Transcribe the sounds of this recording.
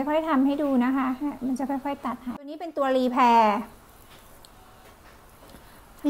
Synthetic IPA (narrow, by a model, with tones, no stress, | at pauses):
jkʰɔ˥˩jt̪ʰa˧mha˥˩jduː˧na˦˥kʰa˦˥ha˥˩ma˧nt͡ɕa˨˩kʰxɔ˥˩jkʰɔ˥˩jt̪a˨˩t̪̚haː˩˦˧nːiː˦˥pe˧nt̪u˧ɐliː˧pʰɛː˧